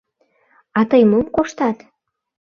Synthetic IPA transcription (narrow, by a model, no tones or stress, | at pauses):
ɑt̪əjmomkoʃt̪ɑt̪